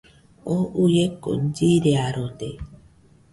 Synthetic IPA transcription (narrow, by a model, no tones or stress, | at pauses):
oujekːo̰n̩d͡ʒiɾeaɾode